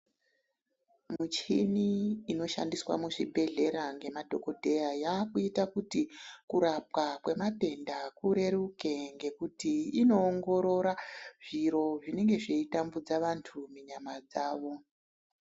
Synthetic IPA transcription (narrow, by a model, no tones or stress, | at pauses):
mut͡ʃiniːno̞ʃa̰ndiswa̰muʂibʱe̞ɮe̞ɾaŋɡe̞madʱo̞ko̞dʱe̞jajakuitakutikuɾap̚wakwe̞mate̞ndakuɾe̞ɾuke̞ŋɡe̞kutiino̞ːŋɡo̞ɾo̞ɾaʐ̥iɾo̞ʐine̞ŋɡe̞ʐeitambud͡zaʋantʰumuɲamad͡zaːʋo̞